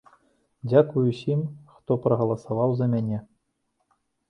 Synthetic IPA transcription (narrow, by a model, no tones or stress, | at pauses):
dʲakujusʲimxt̪oprɐɣɐlˠɐsɐvɑwzɐmʲenʲe